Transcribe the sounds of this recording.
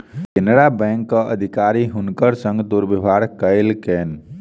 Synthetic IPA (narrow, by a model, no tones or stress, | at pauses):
kenɾabɛ̃ŋkːəʔə̰d̪ʱikaɾiɦunkəɾsə̃ŋɡd̪uɾbibʱaɽkəɪlkɛn